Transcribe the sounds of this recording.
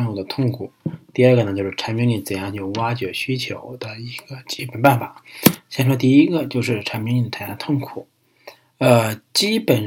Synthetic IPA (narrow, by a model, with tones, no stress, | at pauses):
nu˥˩d̪ə˩t̪ʰʊ˥˩ŋkʰu˨˩˦t̪i˥˧ə˞˥˧˩ɡə˩nə˧˩t͡ɕjo˥˧ʊʂɻ̩˥˩ʈ͡ʂʰa˧˥npi˧˥ŋli˧˩nt͡sə˨˩njɑ˥˧ŋt͡ɕjo˥˩ʊwa˥t͡ɕɥɛ˧˥ɕy˥t͡ɕʰjo˧˥ʊd̪ə˧i˧˥ɡ̥ə˧t͡ɕi˥pə˨˩npa˥˩nfa˨˩˦ɕjn˥˧˩t̪i˥˩i˧˥ɡə˧t͡ɕjo˥˧ʊʂ̬ɻ̩˥˩ʈ͡ʂʰa˧˥nmi˧˥ŋli˧˩n˩t͡sʰa˧˩˦jɑ˥˧t̪ʰʊ˥˩ŋkʰu˨˩˦ | ə˧t͡ɕi˥pə˨˩n